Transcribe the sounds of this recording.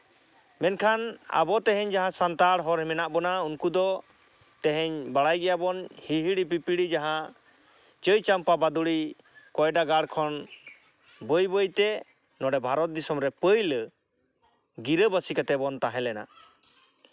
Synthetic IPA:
mɛnkʰana̰bɔt̪ɛɦɛɲd͡ʒaɦãsant̪aɽɦɔɾɦɛmɛnaʔbɔnaunkud̪ɔ | t̪ɛɦɛɲbaɽajɡɛjabɔnhiɦiɽip̬ipiɽid͡ʒaɦã | t͡ʃəjt͡ʃampabad̪uɽi | kɔjɖaɡaɽkʰɔn | bəjbəjt̪ɛ | nɔɖɛbʱaɾɔt̪̚d̪isɔmɾɛpəjlə | ɡiɾəbəsikat̪ɛbɔnt̪aɦɛ̃lɛna̰

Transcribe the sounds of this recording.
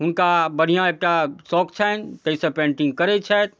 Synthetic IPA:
ɦunkabəɽ̤ijãek̚ʈasɔkt͡ʃʰɛnt̪əisɛ̃pẽɳʈĩŋɡ̚kəɾɛt͡ʃʰɛjt̪̚

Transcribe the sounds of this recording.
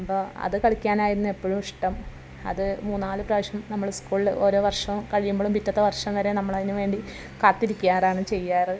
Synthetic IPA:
poːɐ̰ðɨkɐɭikʲːaːnaːjiɾunːɨe̞pːo̞ːɻumiʂʈɐm | ɐ̰ðɨmuːnːaːlɨprɐʋɐʂɐmnɐmːɐɭskuːɭiloːɾo̞ːʋɐrʂɐmkɐɻijumboɭumpitːɐt̪ːɐʋɐrʂɐmʋɐɾe̞nɐmːɐɭɐðinuʋe̞ːɳɖi | kaːt̪ːiɾikʲːujaːraːɳɨt͡ɕe̞jːaːrɨ

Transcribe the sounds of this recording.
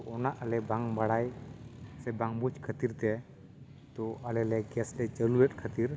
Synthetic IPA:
ɔnaʔəlɛbaŋbaɽaj | sɛbaŋbut͡ʃkʰət̪iɾt̪ɛ | t̪ɔəlɛlɛɡɛslɛt͡ʃəlulɛt̚kʰət̪iɾ

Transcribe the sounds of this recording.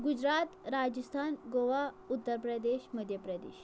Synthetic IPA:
ɡud͡ʑɾat̪ɾad͡ʑəst̪ʰanɡoʋa | ut̪ːəɾpɾəd̪eɕməd̪ʱjəpɾəd̪ḛɕ

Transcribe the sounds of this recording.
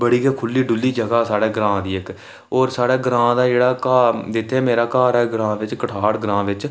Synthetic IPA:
bəɽiːkeːkʰʊlːiːɖʊlːiːd͡ʒəɡaːsaːɽeːɡɾãːd̪iːɪk | oːɾsaːɽeːɡɾãːd̪aːd͡ʒeːɽaːkaːd̪ɪt̪ʰːeːmeːɾaːkaːɾɛːɡɾãːʋɪt͡ʃkəʈʰaːɽɡɾãːʋɪt͡ʃ

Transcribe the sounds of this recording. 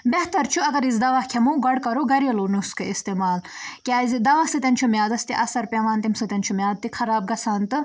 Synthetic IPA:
beht̪ɐɾt͡ʃʰuɐɡɐɾizd̪ɐʋɐhkʰɐmuːɡɐɽkɐɾoɡɐɾiɐloːnuskɨist̪eːmaːlkʲaːzid̪ɐʋɐsɨt̪ʲɐnʲt͡ʃʰumʲjaːd̪ɐst̪ḭʔɐsɐɾpʲɐʋaːnt̪imsɨt̪ʲɐnt͡ʃʰumʲjaːd̪̚t̪ikʰɐɾaːb̚ɡɐsaːnt̪ɨ

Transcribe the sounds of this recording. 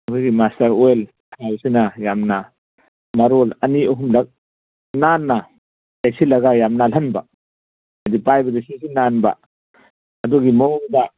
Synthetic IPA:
buɡimastɐɾojl | tʰawsinajamna | maɾolɐniɐɦumlɐk̚ | nanːa | dajsilɐɡajamnalanba̰ | adipajbɐdasisinanba̰ | ɐduɡimɔbda

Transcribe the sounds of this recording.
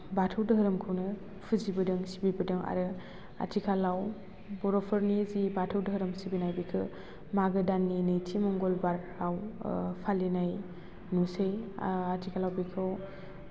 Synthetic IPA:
batʰɯwdɯɦɯɾɯmkʰɯwnɯ | pʰɯzibɯdɯŋsibibɯdɯŋa̰ɾɯ | a̰tʰikʰalaw | bɔɾɔpʰɔɾnizibatʰɯwdɯɦɯɾɯmsibinajbikʰɯ | maɡɯdanːinɯjtʰimɔŋɡɔlbaɾ | awpʰalinaj | nuseja̰atʰikʰalawbikʰɯw

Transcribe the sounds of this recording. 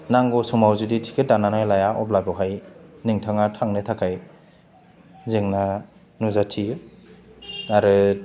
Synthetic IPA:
naŋɡɔsumawzuditʰi̥kʰet̚dananajlajaʔɔblabawɦajniŋtʰaŋatʰaŋnɯtʰakʰaj | zeŋna | nuzatʰi | aɾɯ

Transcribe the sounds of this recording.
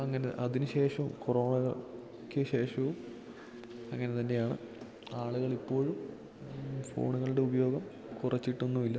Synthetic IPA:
ɐŋːɐneʔɐðinuɕe̞ːʂɐʋumkuro̞ːɳɐɣɐ | kʲːɨɕe̞ːʂɐʋum | ɐŋːɐne̞t̪ɐnde̞jaːɳɨ̰ | aːɭuɣɐɭipːo̞ːɻum | fo̞̰ːɳuɣɐɭuɽe̞ubɐjo̞ːɡɐm | kurɐt͡ɕːiʈːunːuʋilːɐ

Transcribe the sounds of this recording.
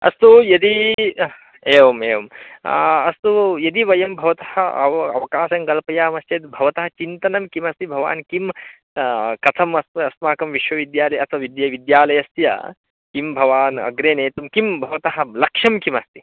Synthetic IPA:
ɐ̰st̪ujɐd̪i | eːʋɐmeːʋɐm | ɐst̪ujɐd̪iʋɐjɐmbʱɐʋɐt̪ɐhɐɐ̰ʋɐ̰ʋɐkaːʃɐŋɡɐlpɐjaːmɐst̪jɐt̪bʱɐʋɐt̪ɐɦɐt͡ʃint̪ɐnɐmkimɐst̪ibʱɐʋa̰ːnkim | kɐt̪ʰɐmɐsɐsmaːkɐmʋiʃʋɐʋid̪jaːlɐjɐt̪ʰʋɐʋid̪jɐʋid̪jaːlɐjɐst̪jɐ̰ | kimbʱɐʋaːnɐ̰ɡɾeːneːt̪umkimbʱɐʋɐt̪ɐɦɐ̆lɐkʂɐmkimɐst̪i̥

